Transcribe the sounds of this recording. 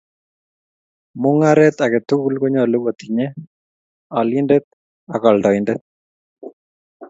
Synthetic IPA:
mʊŋaɾɛt̪akɛt̪uɣulkoɲɔluɣot̪iɲɛ | alindɛt̪̚ | akɔldɔindɛt̪̚

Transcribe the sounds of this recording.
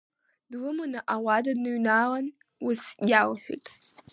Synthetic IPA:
dwʊmɨnɐʔawɑːdɐdnɨɥnaːʁɐn | wʊsjaːʁħʷʊ̰tʼ

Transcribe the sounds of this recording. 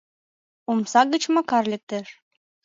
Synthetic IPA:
umsɑɡə̆t͡ɕmɑkɑrlʲek̚t̪eʃ

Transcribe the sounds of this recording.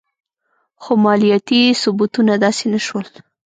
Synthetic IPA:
xomɑlijat̪isʊbut̪unad̪ɑsenaʃwəl

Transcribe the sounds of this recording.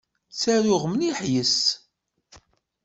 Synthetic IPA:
t͡sːæɾʊʁmniħjəs

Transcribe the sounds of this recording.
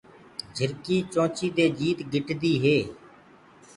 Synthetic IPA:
d͡ʒʱəɾkiːt͡ʃõːt͡ʃiːd̪eːd͡ʒiːt̪ɡʱɪʈd̪iːɦeː

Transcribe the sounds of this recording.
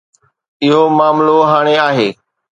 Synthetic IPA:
ɪɦomaːmloɦaːɽ̃eaːɦeː

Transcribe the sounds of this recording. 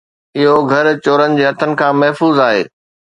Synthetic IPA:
ɪɦoɡʱɐɾt͡ɕoːɾənɪ̆d͡ʑeːɦɐt̪ʰənɪ̆kʰãːmɐɦfuːzaːɦḛː

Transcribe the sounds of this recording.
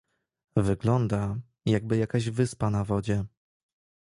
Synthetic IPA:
vɘɡlɔnd̪a | jaɡbɘjakaʑvɘspanavɔd͡ʑɛ

